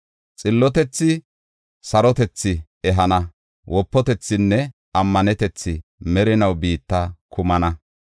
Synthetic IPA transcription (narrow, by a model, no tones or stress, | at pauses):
t͡sʼɪlːɔt̪ɛt͡sːɪ | sɐɾɔt̪ɛt͡sːɪ | ɛɦɐnɐ | wʔɔpːɔt̪ɛt͡sːɪnːɛ | ɐmːɐnɛt̪ɛt͡sːɪmɛɾɪnɐwbiːt̪ːɐkʰʊmɐnɐ